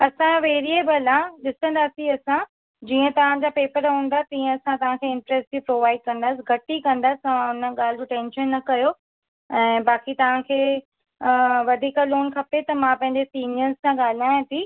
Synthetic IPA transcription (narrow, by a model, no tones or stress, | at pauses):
ɐsãʋeːɾiebɐlãɗɪsə̃nd̪aːsiɐsã | d͡ʑiːə̃t̪ɐʋ̤ãd͡ʑapeːpəɾɦũːnd̪at̪ĩːə̃ɐsãt̪ɐʋ̤ãkʰeɪ̃ɳʈɾɛsʈd͡ʑipɾoːʋaːɪɖ̚kɐ̃nd̪aːsɪ̆ɡʱɐʈikɐ̃nd̪asɪ̥ɐ̃ʋãʊnəɠaːl̤d͡ʑoʈɛ̃ːnʃənːɐkɐjo | ɛ̃ːɓaːkit̪ɐʋ̤ãkʰeː | ʋɐd̪ʱiːkəloːnkʰɐpet̪ɐmãpɐ̃ɦɪ̃ɲd͡ʑesiːnijəɾzsãɠaːl̤aːj̃t̪ʰiː